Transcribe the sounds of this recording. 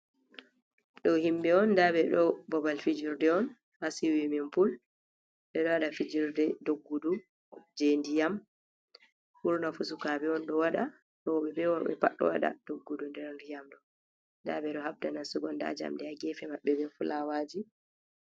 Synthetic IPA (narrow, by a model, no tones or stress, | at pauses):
ɗɔhimbɛɔnːdabɛɗɔbɔbalfid͡ʒiɾdɛɔn | hasiwimɛmpul | ɓɛɗɔwaɗafid͡ʒiɾdɛdoɡːudu | d͡ʒendijam | huɾnafusukabɛɔnɗɔwaɗa | ɗɔɔɓɛbɛwɔɓɛ̰paɗːɔ̰waɗa̰d̥oɡːudundɛɾndijamɗɔ | nda̰bɛɗɔhabdanasuɡɔnda̰d͡ʒa̰mdɛaɡɛfɛmaɓːɛbɛfulawad͡ʒi